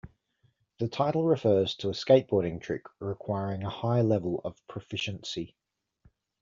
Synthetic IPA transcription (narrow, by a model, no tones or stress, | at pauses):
ðətʰaɪtˡl̩ˠɹɪfɜːz̥tʰəːskeɪʔb̥ɔːɾɪ̃ŋtʰɹ̥ɪkɹɪkʰw̥aɪɹɪ̃ŋəhaɪlɛvələ̰v̥pʰɹ̥əfɪʃə̃nsɪ